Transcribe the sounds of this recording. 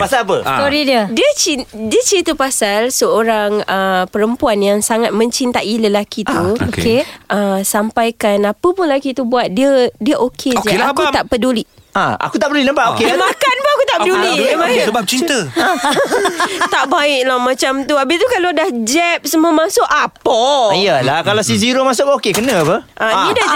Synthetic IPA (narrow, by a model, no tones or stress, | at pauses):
pasaapəst̪oɾidədiət͡ʃindiət͡ʃit̪əpasalsəoɾaŋəpəɾəmpuanjaŋsaŋat̪̚mə̃ɲt͡ʃint̪aʔiləlakit̪uoeʔəsampajkanapəpʊnlakit̪ubuat̪̚diədiəʔokʰed͡ʒkalakut̪aʔpəduliʔ | aa̰kut̪aʔpədulinəmpaʔokemakanpəakut̪aʔpədulimasəbap̚t͡ʃint̪ə | t̪aʔbaɪʔlamãt͡ʃamt̪uabɪst̪ukalodahd͡ʒɛp̚səmuamãsʊʔapoijəlakalasiziɾomasʊkokekənãpəʔaida